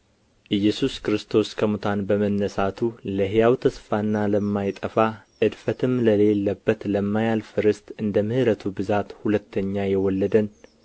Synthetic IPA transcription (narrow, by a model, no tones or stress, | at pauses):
ʔɨjːɛsuskɾɨst̪ʰo̞skʰəmut̪ʰanbəmənːəsat̪ʰuləɦjawt̪ʰəsfanːaləmːajt̪ʼəfaʔɨd̪fət̪ʰɨmləle̞lːəbːət̪ləmːajalfɨɾɨst̪ɨnd̪əmɨhɨɾət̪ʰubɨzat̪hulət̪ʰːəɲːajɛwɔlːəd̪ən